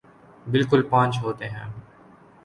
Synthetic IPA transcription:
bɪlkʊlpãːnt͡ʃɦoːt̪eɦɛ̰̃ː

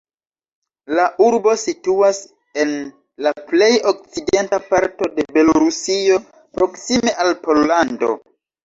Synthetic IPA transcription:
laʔuɾbo̞situas | e̞n | laple̞jok̚t͡side̞ntapaɾto̞de̞be̞loɾusio̞ | pɾo̞ksime̞ʔalpo̞lːando̞̰

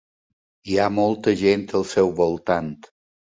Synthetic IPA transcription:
iamɔlˠt̪əʒent̪əlˠsɛwβolˠt̪ant̪

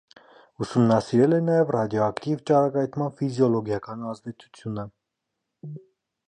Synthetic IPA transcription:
usumnɑsiɾɛlɛnɑjɛvrɑd̪jɔɑkt̪ivt͡ʃɑɾɑkɑjt̪ʰmɑnfizjɔlɔɡjɑkɑnɑzd̪ɛt͡sʰu̥t͡sʰjunə

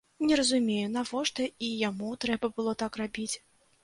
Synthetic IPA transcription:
nʲɛɾɐzumʲejunavɔʂt̪ɐijamut̪ɾɛbɐbɨlˠɔt̪akrabʲit͡sʲ

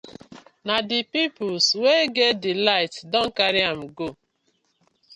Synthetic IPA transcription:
nadɪpipʊlsweɡedɪlaɪtdɔ̃ŋ̩kaɾɪam̩ɡo

